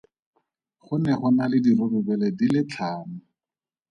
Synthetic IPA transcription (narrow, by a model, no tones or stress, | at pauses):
χʊnɛχʊnalɪdirʊbɪbɛlɛdilɪt͡ɬʰaːnʊ